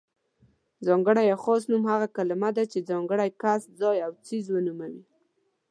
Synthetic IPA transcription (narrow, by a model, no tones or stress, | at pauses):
zɑŋɡəɽajaxɔs̬numhaɣakalamad̪at͡ʃed͡zɑŋɡəɽajkaszɑjawt͡sizwənumawi